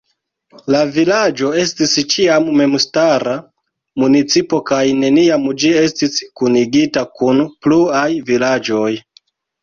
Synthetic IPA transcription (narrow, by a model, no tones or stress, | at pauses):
lavilad͡ʒo̞e̞stist͡ʃiamːe̞mstaɾa | munit͡sipo̞kajne̞niamd͡ʒie̞stiskuniɡitakunpluajvilad͡ʒo̞j